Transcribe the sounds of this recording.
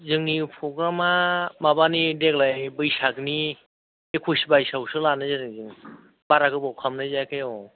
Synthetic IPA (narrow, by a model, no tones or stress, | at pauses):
zɯŋnipʰɾɔɡɾamamabanideklajbɯjsakni | ekʰusibajsawsɯlanɯzaɾɯŋzɯŋ | baɾakɯbawkʰamnajzajkʰajɔ